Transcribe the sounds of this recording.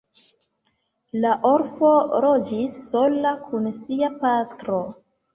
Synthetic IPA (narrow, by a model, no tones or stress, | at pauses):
laʔo̞ɾfo̞ɾo̞d͡ʒisːo̞lakʰunsiapatɾo̞